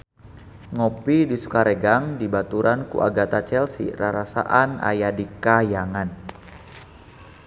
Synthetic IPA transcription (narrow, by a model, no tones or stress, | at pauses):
ŋɔpidisu̥kaɾɛɡaŋdibat̪uɾʔankṵʔa̰ɡat̪at͡ʃɛlsḭɾaɾasa̰ʔana̰jadikajaŋan